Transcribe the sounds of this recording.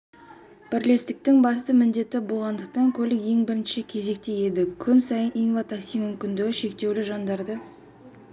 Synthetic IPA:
b̥ɪɾle̞st̪ɪk̚t̪ɪŋbɑst̪əmɪnd̪e̞t̪ɪbolˠʁɑnd̪əq̚t̪ɑŋkʲʰɵlɪkje̞ŋbɪɾɪnʃɪkʲʰe̞ze̞k̚t̪eje̞d̪ɪkʲʰʏnsɑjəniŋvɑt̪aksijmʏmkʲɪnd̪ɪɡʲɪʃe̞k̚t̪e̞wlɪʒɑnd̪ɑɾd̪ə

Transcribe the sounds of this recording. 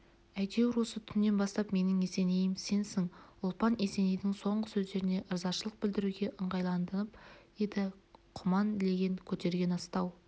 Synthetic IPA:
æjd̪e̞wɪɾwo̞sət̪ʰʏnːe̞nbɑst̪ɑpme̞nɪŋese̞ne̞jɪmse̞nsɪŋʊlˠpɑnese̞ne̞jd̪ɪŋso̞ɴʁəsɵzd̪e̞ɾɪne̞ʔəɾzɑʃəlˠəq̚bɪld̪ɪɾuɡʲe̞ʔəɴʁɑjlˠɑnd̪ənəpje̞d̪ɪqʰʊmɑnle̞ɡʲe̞ŋkʲʰɵt̪e̞ɾɡʲe̞nɑst̪ɑw

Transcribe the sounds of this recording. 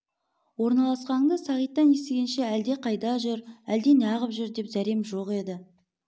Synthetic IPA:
wo̞ɾnɑlˠɑsqɑɴd̪əsɑʁijt̪ːɑnje̞st̪eɡʲenʃe̞æld̪e̞qʰɑjd̪ɑʒʏɾæld̪e̞nɑʁəpʒʏɾd̪e̞pzæɾe̞mʒo̞qe̞d̪ɪ

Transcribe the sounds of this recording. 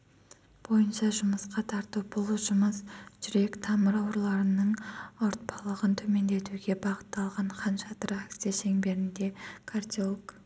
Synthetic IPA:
b̥o̞jənʃɑʒʊməsqɑt̪ʰɑɾt̪uwb̥ʊlˠʒʊməsʒ̥ʏɾe̞kt̪ʰɑməɾɑwɾlˠɑɾənəɴoɾt̪̚pʰɑlˠəʁənt̪ʰɵme̞nd̪e̞t̪uɡʲe̞bɑʁə̥t̪ːɑlˠʁɑɴχɑnʃɑt̪ɾakt̪sijaʃe̞ŋbe̞ɾɪnd̪e̞kʰard̪ʲilk

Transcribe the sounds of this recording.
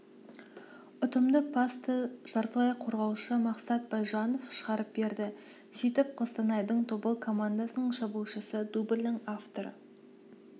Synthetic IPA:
ʊt̪əmd̪əpʰast̪əʒɑɾt̪əlˠɑjqʰoɾʁɑwʃəmɑqsɑt̪̚bɑjʒɑno̞fʃəʁɑɾəp̚be̞ɾd̪ɪ | sit̪ɪp̚qʰost̪ɑnɑjd̪əɴt̪ʰobəlˠkʰo̞mand̪asənəɴʒɑbulˠʃəsəd̪ubɪlʲnɪŋaft̪o̞ɾə̰

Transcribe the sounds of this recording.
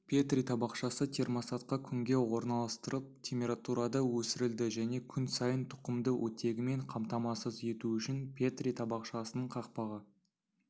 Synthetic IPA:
pʲʰe̞t̪rʲit̪ʰɑbɑqʃɑsət̪ʰe̞rmosɑt̪qɑkʲʰʏŋɡʲe̞wo̞ɾnɑlˠɑst̪əɾʔəp̚t̪ʲʰe̞mpʲe̞ɾat̪uɾɑd̪ɑwɵsɪɾɪld̪ɪʒæne̞kʲʰʏnsɑjənt̪ʰʊ̥qəmd̪əwʔɵt̪e̞ɡʲɪme̞ɴqʰɑmt̪ɑmɑsəze̞t̪uʏʃɪnpʲʰet̪rʲijt̪ʰɑbɑqʃɑsənəɴqʰɑq̚pɑʁə

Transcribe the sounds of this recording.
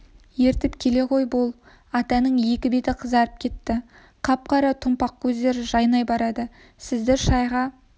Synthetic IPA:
je̞ɾt̪ɪpkʲʰe̞le̞qʰo̞jbo̞lˠ | ɑt̪ɑnəɴje̞kʲɪbe̞t̪ɪqʰəzɑɾəp̚kʲʰe̞t̪ːɪ | qʰɑp̚qɑɾɑt̪ʰʊmpɑq̚kʲʰɵzd̪e̞ɾɪʒɑjnɑjbɑɾɑd̪ə | sɪzd̪eɾʃɑjʁɑ

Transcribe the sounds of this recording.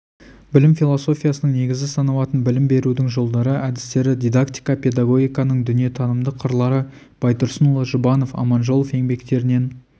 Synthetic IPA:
bɪlɪmfilˠo̞so̞fʲijasənəŋne̞ɡʲɪzɡʲɪsɑnɑwˠɑt̪ənbɪlɪmbe̞ɾud̪ɪŋʒo̞lˠd̪ɑɾəʔæd̪ɪst̪e̞ɾɪd̪ʲijd̪akt̪ijkɑpe̞d̪aɡo̞ɡʲijkɑnəɴd̪ʏnije̞t̪ʰɑnəmd̪əqʰəɾlˠɑɾə | b̥ɑjt̪ʊɾsənulˠɑʒʊbɑno̞fɑ̰mɑnʒo̞lˠofe̞ŋbe̞kt̪e̞ɾɪne̞n

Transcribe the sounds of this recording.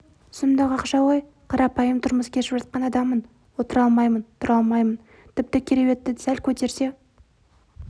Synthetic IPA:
sʊmd̪ɑqɑqʃɑwoj | qʰɑɾɑpɑjəmt̪ʰʊɾməskʲʰeʃɪpʒɑt̪̚qɑnɑd̪ɑmːən | wo̞t̪əɾɑlˠmɑjmənt̪ʰʊɾɑlˠmɑjmən | t̪ʰɪp̚t̪ɪkʲʰeɾewe̞t̪ːɪd̪ɪsælkʲʰɵt̪e̞ɾse̞

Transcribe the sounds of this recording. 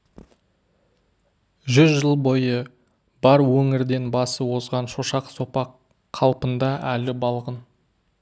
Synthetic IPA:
ʒʏzʒəlˠbo̞jə | bɑɾwɵŋɪɾd̪e̞nbɑsəwo̞zʁɑnʃoʃɑqso̞pɑqʰː | ɑlˠpənd̪ɑʔælɪbɑlˠʁən

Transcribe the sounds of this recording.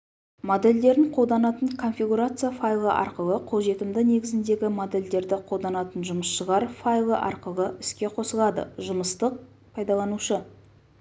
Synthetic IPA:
mod̪e̞ld̪e̞ɾɪɴqʰo̞ld̪ɑnɑt̪əɴkʰo̞nfʲiɡuɾat̪sɨjafajlˠə̰ʔɑ̰ɾqəlˠəqʰoʒe̞t̪ɪmd̪ɪne̞ɡʲɪzɪnd̪e̞ɡʲɪmod̪e̞ld̪e̞ɾd̪ɪqʰo̞lˠd̪ɑnɑt̪ənʒʊməsʃəʁɑɾfajlˠəʔɑ̰ɾqəlˠəɪskʲe̞qʰo̞səlˠɑd̪ə̰ʒʊməst̪əq̚ | pʰɑjd̪ɑlˠɑnuʃə

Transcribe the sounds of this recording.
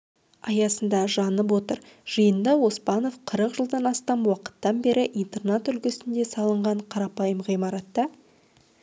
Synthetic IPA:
ɑjɑsənd̪ɑʒɑnəp̬wo̞t̪əɾʒ̥əjənd̪ɑwo̞spɑnofqʰəɾəqʒəlˠd̪ɑnɑst̪ɑmwɑqə̥t̪ːɑnbe̞ɾʔɪʔijnt̪ernat̪ʏlkʲɪsɪnd̪e̞sɑlˠəɴʁɑɴqʰɑɾɑpɑjəmʁijmɑɾɑt̪ːɑ

